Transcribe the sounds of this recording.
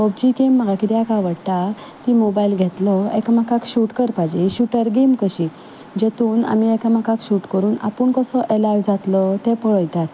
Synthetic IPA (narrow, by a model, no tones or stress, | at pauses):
ɔb̚d͡ʑikemːəɡakit̪iakaʋəɽt̪a | t̪imobailɡʱet̪ləḛkəmakakɕuʈkəɾpajd͡ʑeɕuʈəɾɡemkəɕiː | d͡ʑet̪uːna̰miekamakakɕuʈkəɾuːna̰pəɳkəsəʔelaʋd͡zat̪lət̪epəɭəjt̪at̪